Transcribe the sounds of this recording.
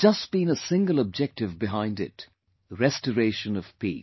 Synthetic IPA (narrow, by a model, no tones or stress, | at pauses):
d͡ʒʌsb̥ĩnəsɪ̃ŋɡəlˠəb̚d͡ʒɛk̚tɨvbɨɦãɪ̃ndɪ̰t | əɹɛstəɹeɪʃɨ̃nʌv̥pʰḭ